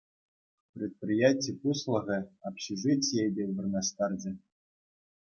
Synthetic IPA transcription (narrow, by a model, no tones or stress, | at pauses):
prʲet̪̚prʲijatʲipuslˠɤ̆ɣʲɘ̆apɕiʐɨtʲjejdʲeʋɘ̆rnɑst̪ɑrd͡ʑɘ̆